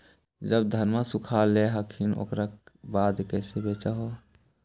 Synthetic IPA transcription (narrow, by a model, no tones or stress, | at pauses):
d͡ʒəbd̪ʱəɾmasukʰaleɦəkʰino̰kɾabaːd̪kɛsebeːt͡ʃəɦo